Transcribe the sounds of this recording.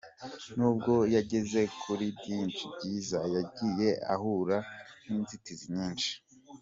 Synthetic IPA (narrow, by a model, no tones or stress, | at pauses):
nuːb̚ɡo̞jaɟe̞ze̞kʰuɾibɟiːnt͡ʃib̚ɟiːzajaɟiːje̞a̰ɦuɾaniːnzitiziɲiːnʃi̥